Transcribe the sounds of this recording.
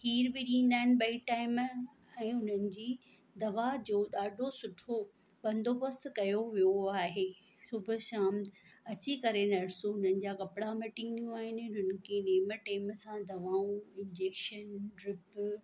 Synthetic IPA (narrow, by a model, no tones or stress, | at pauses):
hiːɾbɪɗĩːn̆d̪aːɦɪnɪ̆ɓɐiʈaːɪm | ɛ̃ːʊn̤ənɪ̆d͡ʑiː | d̪ɐʋad͡ʑoːɗaːɖʱosʊʈʰoɓɐ̃nd̪ʱopɐst̪kɐjoʋijoaːɦeː | sʊbʱʊ̆ʃãːmɐt͡ɕikɐɾenɐɾsoʊn̤ənɪ̆d͡ʑakɐpɪɽamɪʈɪ̃ŋɡjũaːɦɪnɪ̆ʊnənɪ̆kʰeneːməʈeːmsãd̪ɐʋaːũɪ̃nd͡ʑeːkʃənɖɾɪp